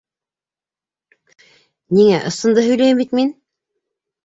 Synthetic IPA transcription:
niŋæʔɤ̆sɤ̆nd̪ɤɦɵ̆jlæjɘmbit̪min

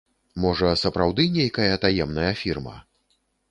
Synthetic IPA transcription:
mɔʐɐsɐpɾawd̪ɨnʲejkɐjɐt̪ajɛmnɐjɐfʲirmɐ̰

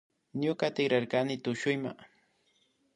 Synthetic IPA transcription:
ɲʊkat̪ɪɡɾaɾkanɪt̪ʊʃʊjma̰

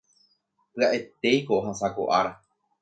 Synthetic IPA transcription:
pɨaʔe̞t̪e̞jkoɦasako̰ʔaɾa

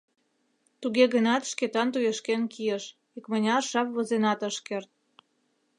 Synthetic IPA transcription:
t̪uɣeɣənɑt̪ʃket̪ɑnt̪ujeʃkenkʰijəʃ | ikmənʲɑrʃɑpβozenɑt̪əʃkert̪̚

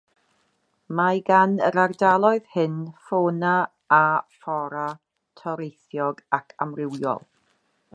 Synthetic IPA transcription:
majɡanəɾardalˠɔɨð̥hɪnfoːna | afɔɾa | tʰɔɾejθjɔɡakʰamrɪwjɔ̰lˠ

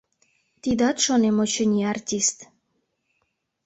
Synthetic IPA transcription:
t̪id̪ɑt̪ʃonemot͡ɕə̆nʲiɑrt̪ʲist̪

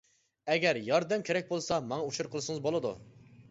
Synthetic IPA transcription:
ɛɡʲɛɾjɑɾd̪ɛmkʲʰeɾɛk̚ʲbolˠsɑmɑŋɑuʃuɾqʰəlˠɨʃɨŋɨzbolˠɨd̪ṵ

